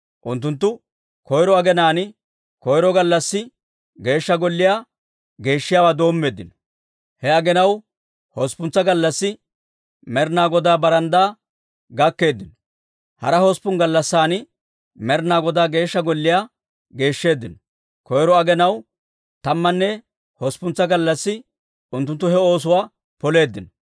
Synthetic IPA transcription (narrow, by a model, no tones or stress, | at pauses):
ʔʊnt̪̬ːʊnt̪̬ːʊ | kɔjɾɔɐɡɛnaːnɪ | kɔjɾɔɡɐlːɐsːɪ | ɡe̞ːʃːɐɡɔlːɪjaː | ɡe̞ːʃːɪjaːwaːd̪o̞ːmːe̞ːd̪ːɪnɔ̥ | hɛɐɡɛnɐw | hɔspʊnt͡sːɐɡɐlːɐsːɪ | mɛɾnaːɡɔd̪aːbɐɾɐnd̪aː | ɡɐkːe̞ːd̪ːɪnɔ | hɐ̰ɾɐhɔspʊnɡɐlːɐsːaːnɪ | mɛɾnaːɡɔd̪aːɡe̞ːʃːɐɡɔlːɪjaː | ɡe̞ːʃːe̞ːd̪ːɪnɔ | kɔjɾɔɐɡɛnɐw | t̪ɐmːɐnːɛ | hɔspʊnt͡sːɐɡɐlːɐsːɪ | ʊnt̪ːʊnt̪ːʊhɛo̞ːs̬ʊwaː | pɔle̞ːd̪ːɪnɔ